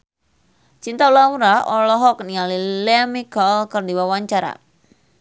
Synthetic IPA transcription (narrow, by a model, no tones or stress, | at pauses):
t͡ʃint̪aulauɾaʔɔlɔɦɔk̚nialilɛmiɡɔlkərdiwawaɲt͡ʃaɾa̰